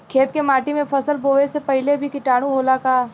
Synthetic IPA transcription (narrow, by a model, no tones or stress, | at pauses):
kʰeːt̪̚kemaːʈimẽpʰɐsəlboːʋesepɐɦɪlebʱikɪʈaːɽ̃ũɦoːlakaː